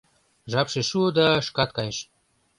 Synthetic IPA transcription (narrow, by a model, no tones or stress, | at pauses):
ʒɑpʃeʃuod̪ɑʃkɑt̪̚kɑjeʃ